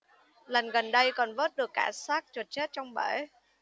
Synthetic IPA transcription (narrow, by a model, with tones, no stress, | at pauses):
lə˨˩nɣə˨˩nɗə˧jkɔ˨˩nvəː˦˥t̚ɗɨ˨˩əkːaː˧˩saː˦˥k̚t͡ɕə˨˩t̚t͡ɕe˦˥t̚t͡ɕɔ˧wŋ͡mɓə˧˩˦